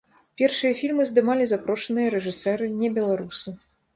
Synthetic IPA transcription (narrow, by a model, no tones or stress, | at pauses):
pʲɛrʂɨjɐfʲilʲmɨzd̪ɨmalʲizapɾɔʂɐnɨjɐɾɛʐɨsɛɾɨnʲɛbʲɛlˠaɾusu